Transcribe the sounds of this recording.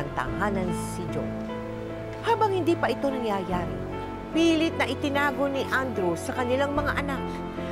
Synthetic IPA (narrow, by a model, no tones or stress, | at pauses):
ɐŋt̪a̰haːnɐnsɪd͡ʒo̰ | haːbɐŋhɪnd̪iːpɐʔɪt̪o̞nɐŋjaːjaːɾɪ | piːlɪt̪̚nɐʔɪt̪ɪnaːɡo̞nɪʔand̪ɾusɐkɐnɪlaŋmɐŋaʔɐnak̚